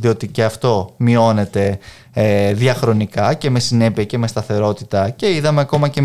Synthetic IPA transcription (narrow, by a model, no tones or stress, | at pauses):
ðio̞t̪iceɐft̪o̞mio̞ne̞t̪e̞ | eðiɐxɾo̞nikɐce̞me̞sine̞piɐce̞me̞st̪ɐθe̞ɾo̞t̪i̥t̪ɐce̞iðɐmeɐko̞mɐce̞